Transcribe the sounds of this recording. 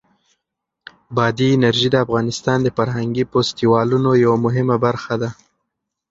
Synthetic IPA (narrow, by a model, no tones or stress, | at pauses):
bɑd̪iɪnaɾʒid̪əafɣɑnɪst̪ɑnd̪əfaɾɦaŋɡipost̪iwɑlunojawamʊɦɪmabaɾxad̪a